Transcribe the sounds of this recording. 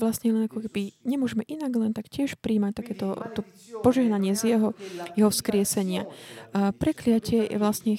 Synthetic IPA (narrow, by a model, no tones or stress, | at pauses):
ʋlasɲɛlɛnakɔkɛbiɲɛmʊɔʒɛmɛʔinaɡlɛnt̪akcɪɛʃpɾiːmac̚t̪akɛːt̪ɔt̪ɔ | pɔʒɛɦnaɲɪɛzjɛɦɔjɛɦɔfskɾɪɛsɛɲɪa | pɾɛklɪacɪɛjɛ̰ʋlasɲɛ